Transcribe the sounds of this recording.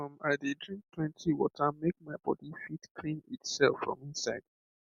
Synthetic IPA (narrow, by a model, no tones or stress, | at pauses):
ɔ̃maɪdidɹĩŋk̚tʰwɛ̃ntʰiwɔ̰tʰəmek̚maɪbɔ̰difitkʰlĩnitsɛlˠfɹɔ̰̃mĩnsaɪd̚